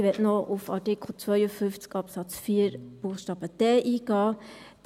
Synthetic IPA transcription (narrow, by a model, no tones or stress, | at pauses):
ʋɛtnɔʔʊfɑ̰ʈikʰl̩t͡sʋœʏəfʏnft͡skɑpsɑt͡sfiːɾb̥uːχʃtɑːb̥əd̪̥ɛːʔiːɡɑː | d̥̪